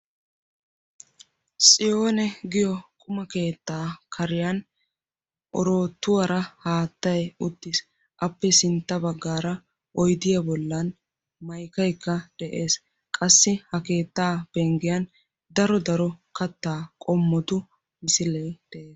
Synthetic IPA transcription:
sʼɪjo̞ːnɛɡɪjɔkʼʊmɐke̞ːt̪ːaːkʰɐɾɪjɐn | ʔɔ̰ɾo̞ːt̪ːʊwɐɾɐhaːt̪ːɐjʊt̪ːɪs | ʔɐpːɛsɪnt̪ːɐbɐɡːaːɾɐ | ʔɔjd̪ɪjɐbɔlːɐn | mɐjkɐjkːɐd̪̥ɛʔe̞ːs | kʼɐsːɪhɐke̞ːt̪ːaːb̥ɛŋɡɪjɐn | d̪ɐɾɔd̪ɐɾɔkɐt̪ːaːkʼɔmːɔt̪ʊ | mɪsɪlɛjd̪̥ɛʔe̞ːs

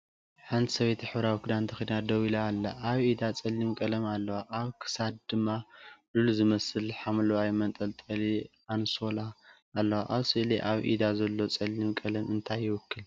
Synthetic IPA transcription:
ħant̪ʰisɐβet̪ʰiħɨβɾawikʰud̪ant̪ʰɐxid̪nad̪ɐwilaːlːaʔaβʔid̪at͡sʼɐlːimkʼɐlɐmalːɐwaʔaβkʰɨ̥sad̪̚d̪ɨmːaluluzɨmɐsɨlħamloajmɐnt̪ʼɐlt̪ʼɐli | anso̞laː | lːɐwaʔaβsɨʔliʔaβʔḭd̪azɐlːo̞t͡sʼɐlːimkʼɐlɐmɨnt̪ʰajːɪwʊkʰːɨl

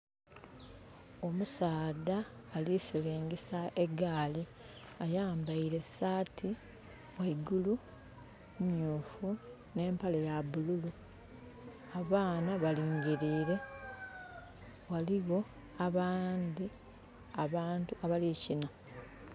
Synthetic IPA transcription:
o̞musaːdaːlisileːŋɡesaʔe̞ɡaːli | ajaːmbaiɾe̞saːtʰi | waiɡulu | mjuːfu | ne̞ːmpalejaβululu | aβaːnaβaliːŋɡiɾiːɾe̞ | waliɣo̞ | aβaːnd̪i | aβaːntuaβalicina

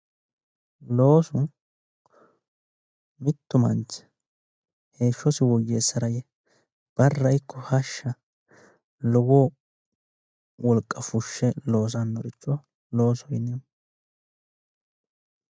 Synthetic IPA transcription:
lo̞ːsʊ | mɪt̪ːʊmɐnt͡ʃ | he̞ːʃːɔsɪwɔjːeːsɐɾɐjɛ | b̥ɐrːɐjkːɔhɐʃːɐ | lɔwɔː | wɔlkʼːɐfʊʃːɛlo̞ːs̬ɐnːɔɾɪt͡ʃːɔ | lo̞ːsɔjɪnɛ

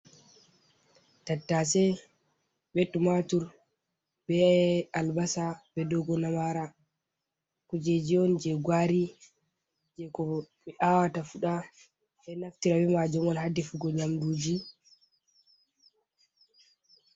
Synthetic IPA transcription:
tatːasɛ | bɛɗumatuɾ | bɛalbasabɛdɔɡɔnamaɾa | kud͡ʒed͡ʒiɔnd͡ʒɛɡwaɾi | d͡ʒɛkɔɓɛʔawatafuɗa | ɓɛnaftiɾabɛmad͡ʒumɔnhadːɛfuɡɔɲamduːd͡ʒi

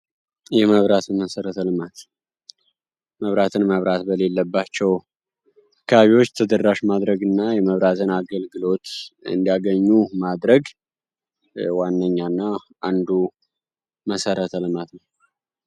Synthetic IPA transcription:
jɛməβɾat̪ʰɨnməsəɾət̪əlmat̪ | məβɾat̪ʰɨnməβɾat̪bəle̞lːəbːat͡ʃːɛw | kʰːəβaβiwo̞t͡ʃːt̪ʰəd̪ərːaʃmad̪ɾəɡɨnːajɛməβɾat̪ʰɨnaɡəlɡɨlo̞t̪ɨ̰nd̪ijaɡəɲːumad̪ɾəɡ | wanːəɲːanːaʔand̪u | məsəɾət̪ʰəlɨmat̪nəw

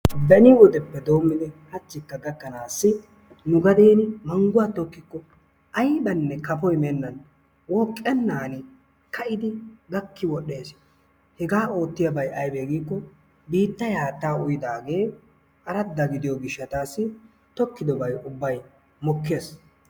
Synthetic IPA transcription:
d̪ɐnɪwɔd̪ɛpːɛd̪o̞ːmːɪd̪ɛhɐt͡ʃːɪkːɐɡɐkːɐnaːsːɪ | nʊɡɐd̪e̞ːnɪmɐŋɡʊwat̪ɔkːɪkːɔ | ʔɐjbɐnːɛkɐpɔjmɛnːɐn | wɔːkʼːɛnːaːnɪ | kʰɐʔɪd̪ɪɡɐkːɪwɔɗːe̞ːs | hɛɡaːo̞ːt̪ːɪjɐbɐjʔɐjbeːɡiːkːɔ | biːt̪ːɐjhaːt̪ːaːʊjɪd̪aːɡe̞ː | ʔɐɾɐd̪ːɐɡɪd̪ɪjɔɡɪʃːɐt̪aːsːɪ | t̪ɔkːɪd̪ɔbɐjʊbːɐj | mɔkːe̞ːs

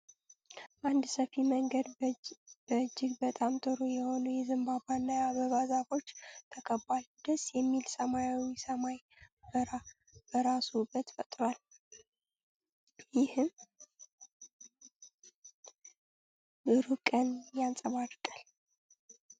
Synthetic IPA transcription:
bʔand̪səfiməŋɡəd̪ | b̥əd͡ʒːɪɡbət̪ʼamt̪ʼɨɾojɛho̞nəjɛzɨmbabanːajaβəβazafo̞t͡ʃːt̪ʰəkʰəbald̪̥əsjɛmːilsəmajawisəmaj | bəa | b̥əɾasubːət̪fət̪ʼɾwal | jɪhɨm | bɨɾukʼənjansʼəβaɾkʼal

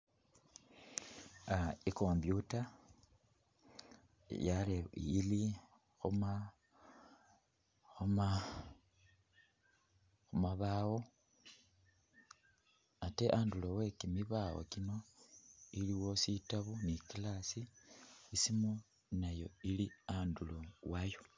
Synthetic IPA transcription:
aikoːmbjuta | jaliili | xuma | xuma | xumaβaːwo̞ | ate̞ʔaːndulowe̞kimiβawo̰kino̞ | iliwo̞sitaβunikilasiː | simo | najo̞iliandulowajo

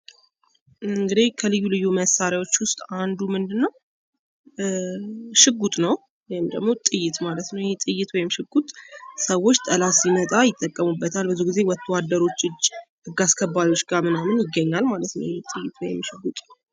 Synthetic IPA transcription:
ɨŋɡɨd̪ikʰəlɨjːulɨjːuməsaɾjawo̞t͡ʃːwʊst̪ʼand̪umɨnd̪ɨnːəw | ʃɨɡːut̪ʼnəw | jɛhɪmd̪əɡmo̞t̪ʼɨjːɪt̪malət̪nəwjhet̪ʼɨjːɪt̪wɔjɪmʃɨɡut̪ʼsəwːo̞t͡ʃːt̪ʼəlasimət̪ʼajɪt̪ʼːəkʼːəmubːət̪ʰalbəzuɡize̞wɔt̪ʰːəwad̪ːəɾo̞t͡ʃːɨd͡ʒːhɨɡaskʰəbːaɾjwo̞t͡ʃːɡamɨnamɨnjɪɡːəɲːalmalət̪nə̰wjet̪ʼɨjːɪt̪ʰwɔjɪmːʃɨɡut̪ʼ

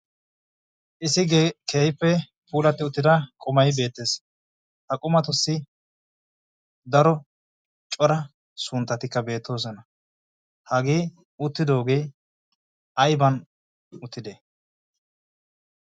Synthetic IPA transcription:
ʔɪsɪkʰeːjpːɛ | puːlɐt̪ːɪʊt̪ːɪd̪ɐkʼɔmɐjbe̞ːt̪ːe̞ːs | hɐkʼʊmɐt̪ʊsːɪ | d̪ɐɾɔ | t͡ʃʼɔɾɐ | sʊnt̪ːɐt̪ɪkːɐbe̞ːt̪ːo̞ːs̬ɔnɐ | hɐɡeː | ʊt̪ːɪd̪o̞ːɡe̞ː | ʔɐjbɐn | ʊt̪ːɪd̪e

